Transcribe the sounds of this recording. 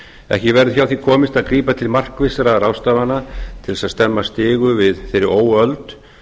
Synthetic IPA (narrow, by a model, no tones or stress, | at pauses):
ɛ̰hcɪvɛɾðʏçjawθikʰɔːmɪst̪aðkɾiːpat̪ʰɪlmar̥kvɪsaɾarawst̪aːvanat̪ʰɪlsaðst̪ɛmːast̪ɪːɣʏvɪðθejɾɪoːwœlt̪